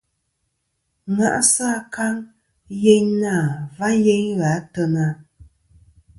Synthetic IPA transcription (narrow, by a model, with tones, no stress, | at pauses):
ŋa̰˨ʔsa˦ka˦ŋ | je˦ɲna˦˨va˦je˦ɲɣa˨˦tə˧na˦